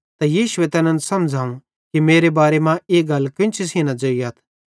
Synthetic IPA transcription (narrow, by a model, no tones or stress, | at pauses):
t̪ajiːʃʊet̪ɛnə̃nsɐmd͡ʒʱaːũ | kimeːɾebaːɾemãeːɡɐlkɪ̃nt͡ʃʰisinad͡ʒoijaːt̪ʰ